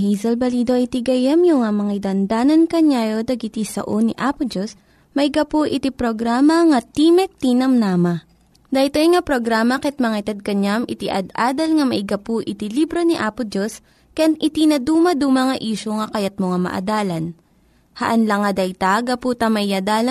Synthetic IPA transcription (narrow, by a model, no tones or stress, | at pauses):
hijzɐlbɐliːd̪oʔɐt̪iɡɐjɐmjʊŋamɐŋajd̪ɐnd̪aːnɐnkɐɲaːjo̞d̪ɐɡɪt̪isɐ̰ʔoniʔaːpʊd͡ʒos | mɐɪɡɐpoʔɪt̪ipɾoɡɾaːmɐŋɐt̪imɛk̚t̪inɐmnaːmɐ | d̪ɐjt̪ojŋapɾoɡɾaːmɐkɛt̪̚mɐŋat̪ɐd̪̚kɐɲamʔɪt̪iʔɐd̪ʔaːd̪ɐlŋɐmɐʔɪɡɐpuʔɪt̪ilibɾoniʔaːpʊd͡ʒos | kanʔɪt̪inɐd̪uːmɐd̪umɐŋɐʔiːʃoŋɐkɐjɐt̪̚moŋamɐ̰ʔɐ̰d̪aːlɐn | hɐ̰ʔɐnlɐŋːɐd̪ɐt̪aɡɐput̪ɐmɐiɐd̪aːlɐ